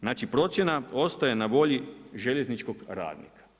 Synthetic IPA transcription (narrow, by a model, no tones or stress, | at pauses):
znaːt͡ʃipɾo̞t̪sje̞nao̞st̪aje̞naʋo̞ʎiʒe̞ʎe̞znit͡ʃko̞ɡɾa̰ːd̪nḭkḁ